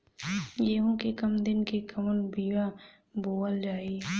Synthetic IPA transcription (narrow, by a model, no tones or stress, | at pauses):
jeɦõkekɐmd̪ɪnkekɐmənbiːʋa | boːəld͡ʒaːi